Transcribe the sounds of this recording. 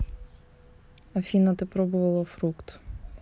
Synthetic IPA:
ɐfʲinɐt̪epɾɔbʊʋɐlˠɐfɾukt̪

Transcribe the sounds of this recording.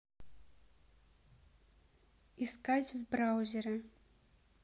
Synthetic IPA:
iskatʲvbrawzʲɛɾɐ

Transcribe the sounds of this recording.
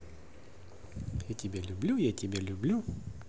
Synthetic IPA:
jɛt̪ʲibʲɛlʲʊbʲlʲujɛt̪ʲibʲɛlʲʊbʲlʲu

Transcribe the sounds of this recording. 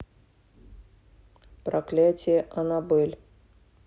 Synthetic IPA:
pɾɐklʲatʲɪjəʔɐnabɛlʲ

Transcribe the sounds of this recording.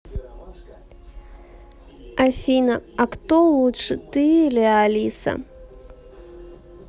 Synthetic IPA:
afʲinɐɐkt̪ɔlˠuʂɨt̪ɨlʲɛalʲisɐ̰

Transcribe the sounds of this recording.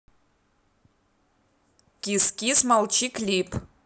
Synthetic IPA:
kʲiskʲismalˠt͡ʃʰikʰlʲipʰ

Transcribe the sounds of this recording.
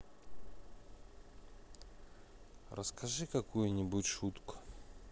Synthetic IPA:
rəskʰɐʐɨkɐkujʊnʲɪbutʲʂut̪kʊ̥

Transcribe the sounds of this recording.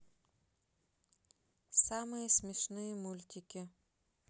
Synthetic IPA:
samɨjəsʲmʲɪʂnɨjəmulʲt̪ʲɪkʲɪ

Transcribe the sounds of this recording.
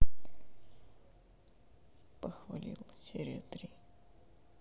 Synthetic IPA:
pəxvɐlʲḭlˠsʲeɾʲet̪ɾʲi

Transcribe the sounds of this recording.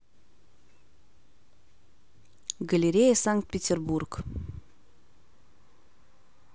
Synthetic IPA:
ɡəlʲeɾʲejəsaŋkt̪̚pʲetʲerburk

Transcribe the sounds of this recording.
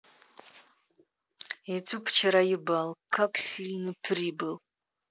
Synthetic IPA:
etʷʰupʰt͡ʃʰaɾajɪbalkʰːakʼsilnɨpʰribɨl

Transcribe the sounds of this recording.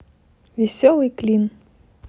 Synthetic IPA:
vʲɪsʲɔlˠɨjklʲin

